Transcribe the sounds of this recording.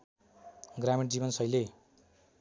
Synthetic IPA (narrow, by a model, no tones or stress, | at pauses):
ɡrameʈd͡ziβʌnsʌjle